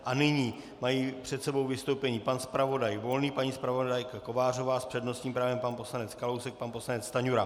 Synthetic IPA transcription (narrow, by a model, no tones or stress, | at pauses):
ʔanɪɲiː | majiːpr̥ɛt̪sɛbo̞wvɪst̪owpɛɲiːpanspɾavo̞dajvo̞lniːpaɲiːspɾavo̞dajkako̞vaːr̝o̞vaːspr̥ɛdno̞st̪ɲiːmpɾaːvɛmpanpo̞slanɛt͡skalowsɛk̚panpo̞slanɛt͡st̪aɲuɾa